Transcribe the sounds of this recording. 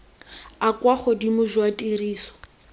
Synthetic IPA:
akwaχɔdimʊʒwatʼiriːsɔ̥

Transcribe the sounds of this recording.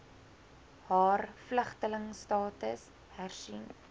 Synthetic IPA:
hɑːrfləχtələŋstɑːtəs | hærsin

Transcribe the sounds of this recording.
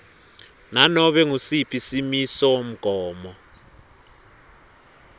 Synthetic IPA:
nanɔɓɛŋusipʼisimisɔwom̩ɡ̥ʱɔːmɔ

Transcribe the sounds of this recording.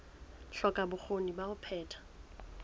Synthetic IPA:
ɬɔkʼabʊk͡xʰonibaʊpʰɛːtʰḁ

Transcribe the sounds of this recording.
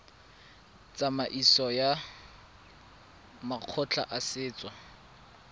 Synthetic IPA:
t͡sʼamaʔisɔja | maq͡χʰʊt͡ɬʰa̰ʔasɪːt͡sʼwa

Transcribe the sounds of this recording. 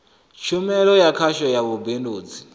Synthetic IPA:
ʃumɛɺɔjakʰaʃɔjaβubendoːd͡zi

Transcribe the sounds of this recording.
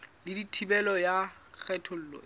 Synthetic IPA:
lɪditʰibɛlɔjak͡xʰɛtʰʊl̩ːlɔ̰

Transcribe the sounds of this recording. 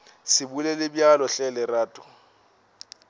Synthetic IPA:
sɪbulelɪbjalɔɬɛlɪraːtʼʊ̥

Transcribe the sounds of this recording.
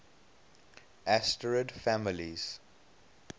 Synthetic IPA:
æsʈəɹəɖfæmɪliz̥

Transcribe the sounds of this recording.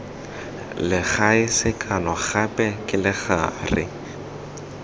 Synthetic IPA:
lɪχaɪsɪkʰʼanɔχapʼɛkʼɪlɪχa̰ːrɪ̰

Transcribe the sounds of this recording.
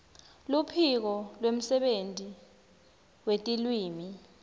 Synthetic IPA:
lupʰik̬ɔlwem̩sɛɓentʼi | wetʼilwiːmi

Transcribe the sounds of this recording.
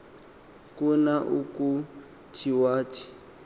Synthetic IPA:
kunaʔuku | t͡ʃʰʼiwaːtʰʼi̥

